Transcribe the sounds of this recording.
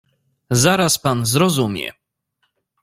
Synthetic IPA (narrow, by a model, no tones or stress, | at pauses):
zaɾaspanzɾɔzumʲjɛ̰